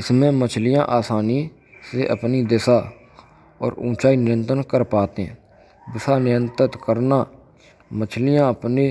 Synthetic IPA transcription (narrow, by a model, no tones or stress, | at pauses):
ɪsmɛ̃ːmət͡ʃʰlɪjãːʔaːsaːniː | seːʔəpniːd̪ɪsaː | ɔ̰ːɾṵ̃ːt͡ʃaːiːnɪɾənt̪ənkəɾpaːt̪ḛ̃ː | d̪ɪsaːnɪjənt̪ət̪kəɾnaː | mət͡ʃʰlɪjãːəpneː